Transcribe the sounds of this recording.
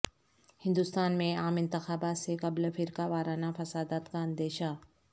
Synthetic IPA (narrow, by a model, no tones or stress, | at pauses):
hɪ̃nd̪ust̪aːnmẽaːmɪ̃nt̪ɪxaːbaːt̪sekɐblfʰɪɾkaʋaːɾaːnafɐsaːd̪aːt̪kaɐ̃nd̪eːʃa